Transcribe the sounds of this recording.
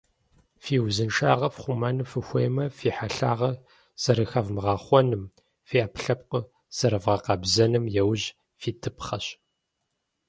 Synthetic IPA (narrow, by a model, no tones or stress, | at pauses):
fiːwzɨnʂa̰ːʁɐfχʷʊmɐnɨfɨxʷeːjmɐfiːħaɬaːʁɐ | z̥ɐɾɨxɐvmɨʁɑːχʷɔnɨm | fiːʔaːpʰɬɐp̚qə | z̥ɐɾɨvʁɐqɑbzɐnɨmjɛwʑ | fiːtʰɨpʰχɐɕ